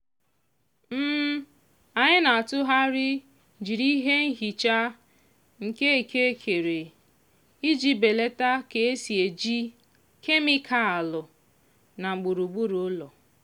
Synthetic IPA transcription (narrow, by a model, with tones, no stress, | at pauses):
m̩˦ | a˨ɲɪ˦na˨a˨tʊ˦ɦa˦ɾɪ˦ | d͡ʒi˨ɾi˦ɦe˦ŋ̩˦ɦi˨t͡ʃa˦ | ŋ̩˨ke˦e˨kʰe˦kʰe˨ɾe˨ | i˦d͡ʒi˦be˨le˦ta˦ke˨e˦si˨e˨d͡ʒi˦ | kʰe˦mi˦kʰa˦a˨lʊ˨ | na˨ŋ͡m̩˨ɡ͡bʊ˨ɾu˨ɡ͡bu˦ɾo˨˦lɔ˨